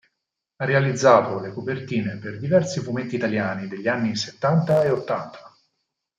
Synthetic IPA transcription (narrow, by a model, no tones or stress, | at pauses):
arːealid̪zːaːt̪olekopert̪iːneperd̪ivɛrsifument̪ːiːt̪aljaːnid̪eʎːianːiset̪ːant̪aeot̪ːant̪ʰḁ